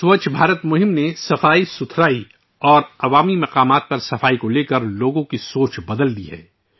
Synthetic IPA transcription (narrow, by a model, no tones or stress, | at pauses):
swɐt͡ʃbʱaːɾət̪mʊɦɪmnesɐfaːisʊt̪ʰɾaːi | ɔːɾɐʋaːmimɐqaːmaːt̪̚pɐɾsɐfaːikoleːkəɾloːɡõkisoːt͡ʃbɐd̪əld̪iɦɛ̰ː